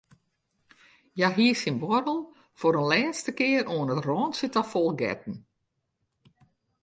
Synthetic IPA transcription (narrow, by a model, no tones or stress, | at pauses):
jaɦiəsinbɔɾəlˠ | foɾənlɛːstəkɪəɾoənətrɔːnsitɔfɔlˠɡɛ̰t̚n̩